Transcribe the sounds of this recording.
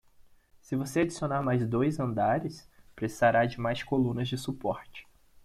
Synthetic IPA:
sɪvosead͡ʒisionaɾmajzd̪ojzɐ̃nd̪aɾɪspɾesi̥zaɾad͡ʒɪmajskolũnɐzd͡ʒɪsupɔɾt͡ʃɪ̥

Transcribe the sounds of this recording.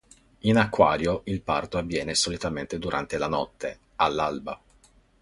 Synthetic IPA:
inakːwaːɾjoilpa̰rt̪oavːjɛːnesolit̪ament̪ed̪uɾʔa̰nt̪elanɔt̪ʰːe | alːalba

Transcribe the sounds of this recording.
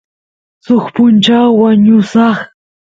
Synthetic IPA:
soχpʊnt͡ʃawːaɲʊsɑχ

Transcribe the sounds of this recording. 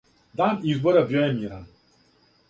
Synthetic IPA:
d̪aːnizbɔɾabjojɛmiːɾan

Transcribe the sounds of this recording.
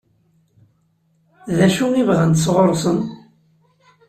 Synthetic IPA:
ðæʃuivʁænt̪sʁoɾˤsˤən

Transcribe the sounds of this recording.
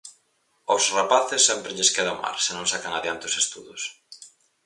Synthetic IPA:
osrapaθɪsːɛmpɾɪʎeskeðama̰ɾsenõŋsakaŋaðeant̪ɪosest̪uðʊs

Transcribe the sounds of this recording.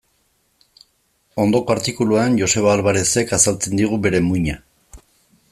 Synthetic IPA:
o̞nd̪o̞paɾt̪ikuluanʝo̞se̞β̞aːlβaɾe̞se̞kasalt͡se̞nd̪iɣ̞ube̞ɾe̞muɲa

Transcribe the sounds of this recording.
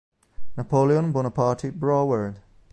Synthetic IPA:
napʰoːliə̃nbʊnəpʰɑːˑɹtʰibɹɔːwəɹd̥

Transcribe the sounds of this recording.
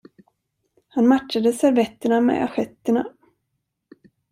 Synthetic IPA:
hanmatʂad̪əsæɾvɛt̪ːəɳamɛ̰a̰ɧɛt̪ːəɳa

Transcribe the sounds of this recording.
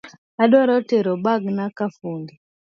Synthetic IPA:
aɗɔɾɔteɾɔɓaɡnakafuːndɛ

